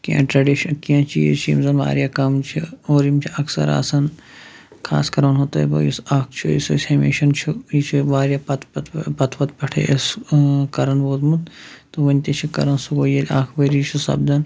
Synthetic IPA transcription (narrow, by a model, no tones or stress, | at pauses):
kiɐ̰̃ʈɾɐɖiʃɐnkiãːt͡ʃʰiḛt͡ʃʰiḭmzɐma̰ːɾjaːkɐmt͡ʃʰioːɾimt͡ʃʰiʔɐksɐ̰ɾa̰ːsɐn | kʰa̰ːskɐɾɐnɦot̪ɐːbo̰jisaːkʰt͡ʃʰuḭsosʲhemḛːʃɐnt͡ʃʰuit͡ʃʰiʋaːɾjapɐt̪pt̪pɐt̪ʰʋɐt̪̚pɐʈʰḛʔskɐɾɐnʋoːzmut̪t̪uʋɐnʲt̪it͡ʃʰikɐɾɐnsuɡoːjɐlʲaːkʰʋɐɾit͡ʃʰisɐ̰bd̪ɐn